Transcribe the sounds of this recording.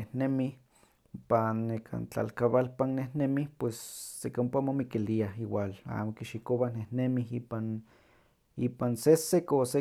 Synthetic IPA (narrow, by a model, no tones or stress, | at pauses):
ehnemih | panːekʰa̰nt͡ɬa̰lkaβalpannːehnemihpwesːekompamomikiliahiwala̰ːmokiʃikowanehnemiɦipan | ipansesekose